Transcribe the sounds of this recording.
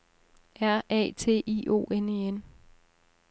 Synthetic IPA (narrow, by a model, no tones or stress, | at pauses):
æɐ̰ɛ̰ːt͡sʰe̝̰ːʔḭːʔo̝̰ːʔenien